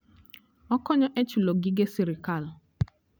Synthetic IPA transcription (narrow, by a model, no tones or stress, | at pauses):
ɔkɔɲɔʔet͡ʃuloɡiɡesiɾikalʊ